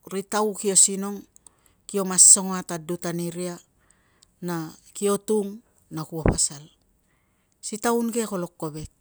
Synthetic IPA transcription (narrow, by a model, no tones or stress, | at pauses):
ɾitawkio̞sino̞ŋ | kiomasːo̞ŋoatadutaniɾia | nakio̞tuŋ | nakuapasal | sitawnɡe̞ko̞lo̞kːo̞βet̚